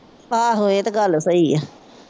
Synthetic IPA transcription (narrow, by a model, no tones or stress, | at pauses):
aːɦoet̪aɡəlsəiːɛ